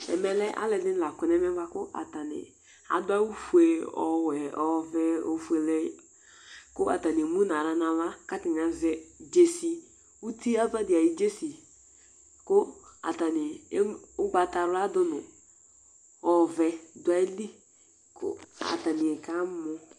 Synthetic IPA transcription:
ɛ̰˨mɛ˨lɛ˦ʔa̰˦lɛ˨dɪ˦˨la˨kʊ˨nɛ˦mɛ˦ɡ͡ba˦kʊ˦ʔa̰˨ta˨nɪ̰˨ | a̰˨dʊ˦a˦u˦fu˨e˨ɔ˨wɛ˨ɔ˨vɛ˦o˨fu˦e˨lɛ˦ | kʊ˦a̰˨ta˨nɪ˨mu˦na˨ɾa˨nã˨va˦ka˦tɪ˨ŋa˨zɛ˦d͡ʒe˨si˨ | u˦ti˦a˦va˦dɪ˨a˨ji˦d͡ʒe˦si˨ | kʊ˦a̰˨ta˨nɪ˨˦ʊ˦ɡ͡ba˨ta˨ɾʊ˦a˦dʊ˦nʊ˨ | ɔ˨vɛ˧dʊ˨˦a˨˦i˦li˦ | kʰʊ̰˦a̰˨ta˨nɪ˨ɛ˨ka˦mʊ˨˧

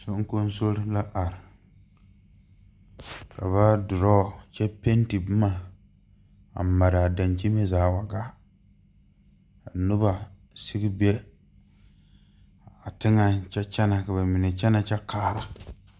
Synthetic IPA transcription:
so˨ŋ̩˦ko˦n˦so˦ɾla˦ʔa˨ɾɪ˨ | ka˨βa˦dʊ˨ɾɔ˦˨t͡ʃɛ˦pe˦n˦ti˨bma˦˨ | a̰˨ma˨ɾa˨a˨da˨nt͡ʃi˦me˦zaː˨˦˨wa˨ɡa˦ | a˨nʊ˦ba˨ | si˦ɡi˦bɛ˦ | a˨tɪ˦ŋa˨t͡ʃɛ˦t͡ʃɛ˦na˨ka˨ba˨mi˨ne˨t͡ʃɛ˦na˨t͡ʃɛ˦kʰaː˦˨ɾa˨

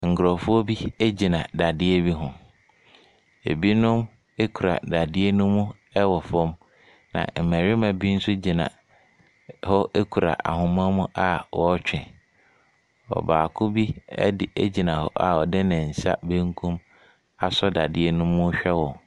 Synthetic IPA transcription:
ŋ̩˨kɾɔ˨fʊ˦ɔ˦bi˦e˦d͡ʑi˨nã˨da˨dɪ˦e˦bi˦ɦʊ̃˨ | ḛ˨bi˦nʊ̃˦m | e˦kʰu˨ɾa̰˨da˨dɪ˦e˦nʊ̃˦mːũ˦ | ɛ˦wɔ˨fɔ̃˦m | nã̰˨m̩˨mæ̃˨ɾɪ˦mã˨bi˦n̩˦sʊ˦d͡ʑi˨nã̰˨ | hɔ˦e˦kʰu˨ɾa̰˨ʔa̰˨hʊ̃˨m˦ã˦mʊ̃˦ʔa˦wɔ˦t͡ɕᶣɪ̃˨ | ɔ̰˨baː˨kʰʊ˦bḭ˦dɪ˦˨e˦d͡ʑi˨nã˨hɔ̰˦ʔa˨ɔ˨dɪ˦nã˨n̩˨sa˦bẽ˦ŋ˦kʰũ˦m | a˨sɔ˦da˨dɪ˦e˦nʊ̃˦mːʊ̃˦ɕᶣɛ˦wɔ̃˨

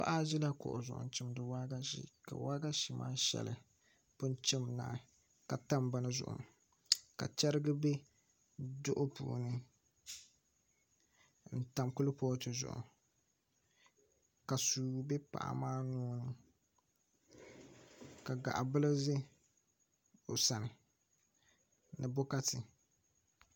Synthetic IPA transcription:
pa̰˦ʔa˦ʒɪ˦la˦kʊ̰˨ʔʊ̰˨zʊ˨ʔʊ̰˨n˨t͡ʃɪ˦mdɨ˨waː˦ɡa˦ʃḭ˦ka̰˨waː˦ɡa˦ʃi˨mʔa̰ː˦ʃɛ̰˨lɨ̰˨ | pʊ˦nt͡ʃɪ˦mna̰ː˨˦˨ | ka˨ta˦mba˦nɨ˦zʊ̰˨ʔʊ̰˨m˨ | ka̰˨t͡ʃɛ˦ɾɨ˦ɡɨ˦be˦ | dʊ˦ʔʊ˦pṵː˨nɨ˦ | n̩˨ta˨mkʊ˦lɨ˦pɔː˦tɨ˨zʊ̰˨ʔʊ̰˨ | ka˨suː˨bɛ˦pa̰˨ʔa̰˨maː˦nɔː˦nɨ˦ | ka˨ɡa̰˨ʔa̰˨bɨ˦lɨ˦zɪ˦ | o˨sa˨nɪ˨ | nɨ˨bʊ˦ka˦tɪ˨

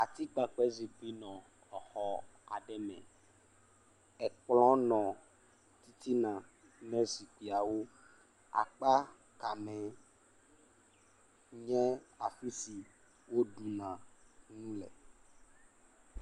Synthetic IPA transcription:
a˨t̪i˦k͡pa˨k͡pɛ˦zi˨k͡pi˦nɔ̃˨ | ɔ˨xɔ˦a̰˨ɖɛ˦mɛ̰̃˨ | ɛ˨k͡plɔ̃˦nɔ̃˨ | t̪i˦t̪i˦nã˨ | nɛ̃˦si˨k͡pi˨a˨wo˦ | a̰˨k͡pa˦ | ka˨mɛ̃˨ | ɲɛ̃˦a˨fi˦si˨ | wo˦ɖu˨nã˨nũ˦lɛ̰˨

